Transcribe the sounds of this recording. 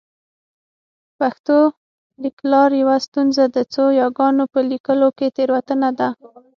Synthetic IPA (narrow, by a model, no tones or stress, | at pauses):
paxt̪o | liklɑɾjawast̪unzad̪ət͡sojɑɡɑnopəlikəloket̪eɾwat̪ənad̪a